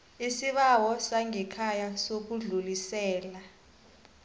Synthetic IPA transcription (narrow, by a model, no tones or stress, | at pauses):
isiɓawɔsaŋʱɛkʰajasok̬uɮulisɛːla